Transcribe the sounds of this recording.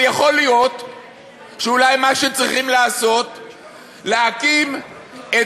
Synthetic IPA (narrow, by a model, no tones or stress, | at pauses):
jaχo̞lijo̞t̪ | ʃeulajmaʃet͡sʁiχimlaːso̞t̪ | leakim | e